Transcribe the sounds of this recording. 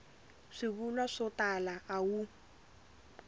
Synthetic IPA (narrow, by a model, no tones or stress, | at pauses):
ʂiβulwaʂɔtalaʔawu